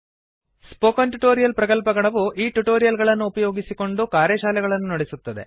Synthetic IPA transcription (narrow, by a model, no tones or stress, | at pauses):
spoːkɐnʈuʈoːɾijɐlpɾɐkɐlpɐɡɐɭɐʋuʔiːʈuʈoːɾijɐlɡɐɭɐnːuːpɐjo̞ːɡisiko̞ɳɖukaːɾjɐʃaːlɛɡɐɭɐnːunɐɽesut̪ːɐd̪e̞̰